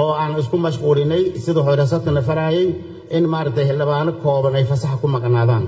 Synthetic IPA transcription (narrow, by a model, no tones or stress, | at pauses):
ʔɔːaːnɪskʰʊmɐʃquːlɪnːɛjsɪðɐħʊɾɛs̬ɐt̪kʰɐnɐfɐɾaːjɛj | ʔɪnmaːɾɐk̚t̪ʰɛjhɪld̪ɪβaːnɔkʰɔːβɐnɛjfɐsɐħɐkʰʊmɐqʼnaːðaːn